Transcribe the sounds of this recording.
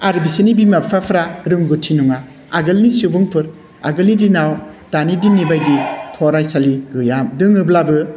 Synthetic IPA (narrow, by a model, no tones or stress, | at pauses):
aɾbisenibimapʰɾapʰɾaɾɯŋɡutʰinɔŋaː | ɡɯlnisubɯŋpʰɯɾ | a̰ɡɯlnidinaw | d̥anidinːibajditʰɔɾajsaliɡɯjamdɯŋɯblabɯ